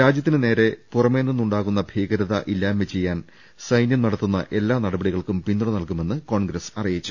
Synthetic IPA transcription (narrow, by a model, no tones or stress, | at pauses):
ɾaːd͡ʑjɐt̪ːinɨne̞ːɾe̞purɐme̞ːnːunːuɳɖaːɣunːɐbʱiːɣɐɾɐðɐ̰ʔilːaːmːet͡ɕe̞jːaːn | sɐjnjɐmnɐɽɐt̪ːunːɐ̰ʔe̞lːaːnɐɽɐbɐɽiɣɐɭkumpinːuɽunɐlkume̞nːɨko̞ːɳɡɾɐsɐrijit͡ɕːu